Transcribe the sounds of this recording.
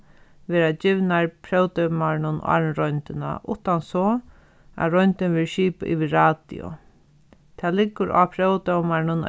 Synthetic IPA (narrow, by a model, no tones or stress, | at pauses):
ʋɛːɾad͡ʑɪʋnaɹpʰɾœwt̪œwmaɾɪnʊn̰a̰ɹnɾɔjnt̪ɪna̰ʔʊht̪ansɔ | a̰ɾɔjnt̪ɪnʋɪɹʃiːpa̰ʔiʋiɾaːt̪ḭʊ̰ | t̪ʰɛːlɪkːʊɾʔa̰ːpʰɾœwt̪ɔwmanʊn